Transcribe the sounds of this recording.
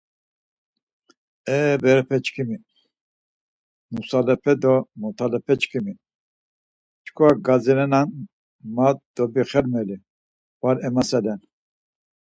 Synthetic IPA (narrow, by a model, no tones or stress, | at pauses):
ɛːbɛɾɛpʰɛt͡ʃkʰimi | nusalɛpʰɛd̪ɔmɔt̪ʰalɛpʰɛt͡ʃkʰimi | t͡ʃkʰɔaɡaziɾɛnan | mat̪̚d̪ɔbiχɛɾmɛli | b̥aɾɛmasɛlɛn